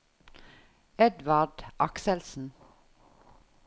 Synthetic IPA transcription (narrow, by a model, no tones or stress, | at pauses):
ɛd̪ʋɑɖʔɑksɛlsn̩